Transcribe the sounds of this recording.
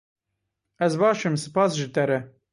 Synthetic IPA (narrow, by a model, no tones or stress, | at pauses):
ɛzbɑːʃɨmsɨ̥pɑːsʒɨt̪ɛɾɛ